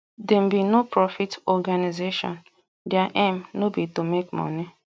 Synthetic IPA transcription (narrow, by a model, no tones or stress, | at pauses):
dem̩binopɹɔfitɔɡanizeʃɔ̰̃n | dɪaʔẽmnobitumekmɔ̰ni